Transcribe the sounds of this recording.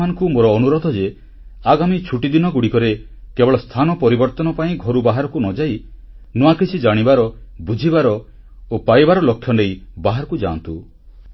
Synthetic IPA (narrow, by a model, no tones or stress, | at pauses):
anɔ̃ŋkumoɾɔːnuɾɔd̪ʱɔd͡ʒe | aɡamit͡ʃʰuʈid̪inɔɡuɽikɔɾe | kebɔɭɔst̪ʰanɔpɔɾibɔɾt̪ɔnɔpaĩɡʱɔɾubaɦaɾɔkunɔd͡ʒaj | nuakit͡ʃʰid͡ʒaɽ̃ibaɾɔbud͡ʒʱibaɾɔ | opajbaɾɔlokʰːjɔnejbaɦaɾɔkud͡ʒa̰nt̪u